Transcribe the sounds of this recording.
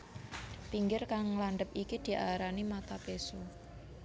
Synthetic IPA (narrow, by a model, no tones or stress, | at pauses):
piŋɡɪrkaŋlaɳɖəpikid̪̥i̤ʔaɾanimat̪apeso